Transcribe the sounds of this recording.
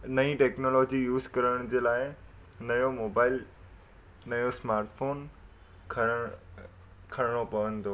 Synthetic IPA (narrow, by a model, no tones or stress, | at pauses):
nɐĩʈeːknolɔːd͡ʑijuːzkɐɾəɽ̃d͡ʑeːlaːɪ | nɐjomoːbaːɪl | nɐjosmaːɾʈfoːn | kʰ | kʰɐɽɽ̃opɐʋə̃nt̪o